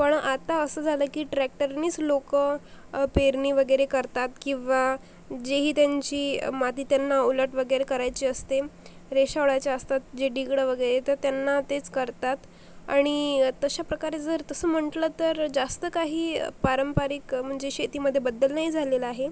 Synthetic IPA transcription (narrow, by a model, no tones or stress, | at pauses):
pəɳat̪aəsəd͡zʱaləːkiːʈɾæk̚ʈəɾniːt͡slokəpeɾniːʋəɡəjɾekəɾt̪at̪kĩw̃ʋa | d͡ʑeɦiːt̪jaɲt͡ɕiːmat̪iːt̪janːauləʈʋəɡəjɾekəɾajt͡ɕiːəst̪e | ɾeɕaɽajt͡ɕjaəst̪at̪̚d͡ʑeɖiɡɽəʋəɡəjɾet̪əɾt̪janːat̪et͡skəɾt̪at̪ | a̰ɽ̃it̪əɕapɾəkaɾed͡zəɾt̪əsəːm̤əɳʈlət̪əɾd͡zast̪əkaɦiːpaɾəmpaɾikm̤əɳd͡ʑeɕet̪iːməd̪ʱjebəd̪ːəlnaɦid͡zʱaleləaɦe